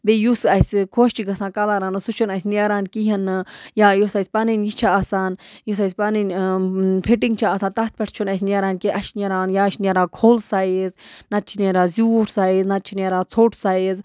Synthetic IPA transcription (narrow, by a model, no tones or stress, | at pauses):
bejusɐsʲkʰoːʃt͡ʃiɡɐsãːkɐlaːɾaːnɨsut͡ʃʰunɐsʲnʲeɾaːnkiɦɐnɨjaːjosajsʲpɐninʲjit͡ʃʰaasaːnjis̬ɐjsʲpɐninʲ | pʰiʈiŋɡt͡ʃʰaːsaːnt̪ɐt̪̚ʰpʲɐʈʰt͡ʃʰunasʲnʲeɾaːnkiʔɐʃnʲeɾaːnjaːʃnʲeɾaːkʰoːlsaːiznɐt̪̚t͡ʃʰineɾaːzʲuːʈʰsaːiznat̪̚t͡ʃʰineːɾaːt͡sʰoːʈʰsaːiz